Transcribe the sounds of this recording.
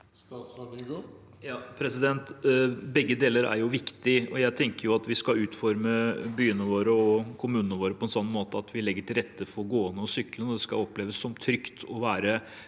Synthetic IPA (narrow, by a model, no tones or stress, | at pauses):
s | jɑːpʰɾɛsɪd̪ɛnt̪bɛɡːəd̪eːləɾæ̰ɾjʊʋɪkt̪ɪɔjæɪt̪ʰɛŋkəɾjʊɑt̪ʋɪskɑʉːt̪fɔɾməbyːənəʋoːɾəɔkʰʊmʉːnənəʋoːɾəpʰɔɛnsɔnːmoːt̪əɑt̪ʰʋɪlɛɡːəʈʰɪlɾɛt̪ːəfɔɾɡoːənəɔsʏklənəɔd̪ɛskɑɔpleːʋəsːɔmt̪ʰɾʏkt̪ʰɔʋæːɾə